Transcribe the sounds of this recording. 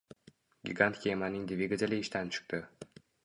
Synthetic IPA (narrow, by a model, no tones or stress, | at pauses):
ɡʲḭɡant̪kʲemanɪŋd̪vʲiɡazʲalʲɪɪʃt̪ant͡ʃʰɨ̥qt̪ɪ